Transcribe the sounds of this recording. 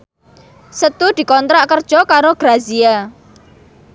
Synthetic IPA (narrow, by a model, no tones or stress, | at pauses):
sət̪ud̪̥i̤kɔnt̪ɾaʔkərd̥ʒ̥ɔkaɾoɡ̥ɾazia